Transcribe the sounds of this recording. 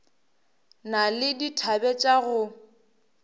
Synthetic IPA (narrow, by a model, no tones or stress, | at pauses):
nalɪditʰabɛt͡ʃʼaɣʊ